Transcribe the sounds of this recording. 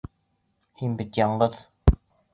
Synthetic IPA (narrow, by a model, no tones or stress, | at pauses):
hinbit̪jɑɴɢɤð̥